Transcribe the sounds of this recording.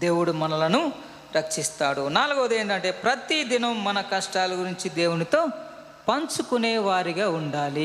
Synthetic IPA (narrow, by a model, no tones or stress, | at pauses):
d̪e̞ːwuɽumɐnɐlɐnu | ɾɐkʂist̪aːɽunaːluɡoːd̪eːnd̪ɐɳʈe̞ːpɾɐt̪id̪inɐmːɐnɐkɐʂʈaːlɐɡuɾiɲt͡ʃid̪e̞ːwunit̪o̞ː | pɐɲt͡ʃukuneːʋaːɾiɡaːuɳɖaːli